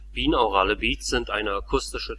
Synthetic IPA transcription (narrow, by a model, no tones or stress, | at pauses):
b̥iːnɔʁaːləbiːtz̥ɪntʔaɪnəakʰʊstɪʃə